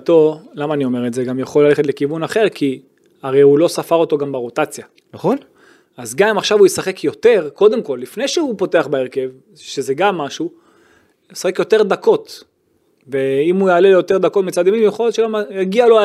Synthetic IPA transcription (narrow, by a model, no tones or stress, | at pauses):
t̪olamaːnio̞me̞ʁetzeɡamjaχo̞lːale̞χet̪le̞kivunaχe̞ʁki | aʁejulo̞safaʁo̞t̪o̞ɡambaʁot̪at͡sja | nn | azɡamaχʃavujesaχe̞kʰjo̞te̞ʁko̞d̪e̞mko̞lːifne̞jʃehupo̞te̞aχbaeʁke̞v | ʃeze̞ɡamːaʃu | jesaχekjo̞t̪e̞ʁd̪ako̞t | veimujaːle̞lejo̞t̪e̞ʁd̪ako̞t̪mit͡sad̪imimjeχo̞ljot̪ʃeɡamjaɡialo